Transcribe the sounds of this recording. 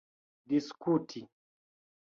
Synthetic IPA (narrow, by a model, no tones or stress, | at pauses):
diskutʰi